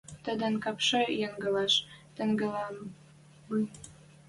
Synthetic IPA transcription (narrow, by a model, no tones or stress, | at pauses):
t̪ə̆d̪ə̆nkɑpʃɤ̆jeŋɡɤ̆lɑʃt̪ə̆ŋɡə̆lɑm | muj